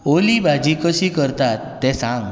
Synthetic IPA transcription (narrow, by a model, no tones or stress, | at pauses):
olibʱad͡ʑikəɕiːkəɾt̪at̪ːɛ̃sãŋɡ